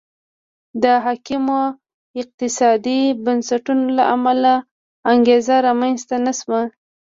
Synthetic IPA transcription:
d̪əɦɑkimo | ɪq̚t̪ɪsɑd̪ibansaʈunolaʔamalaː | ŋɡezaɾɑmanst̪anasma

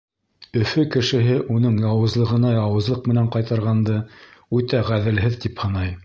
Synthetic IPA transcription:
ɵ̆fɵkɘ̆ʃɘ̆ɦɘʔunɤɴjɑwɤ̆zlˠɤ̆ʁɤ̆nɑjɑwɤ̆zlˠɤq̚mɘ̆næɴqɑjt̪ɑɾʁɑnd̪ɤʉt̪æʁæðɘ̆lɦɘðt̪iphɤ̆nɑj

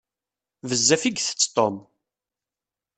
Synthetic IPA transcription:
vəzːæfiɡθə̥t͡sːt̪ˤɔm

